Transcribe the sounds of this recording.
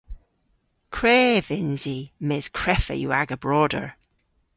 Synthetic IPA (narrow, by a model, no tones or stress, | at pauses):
kʰɹ̥eːvɪnzimɪz̥kʰɹ̥ɛfə̰jṵaɡəbɹɔːdə̰ɹ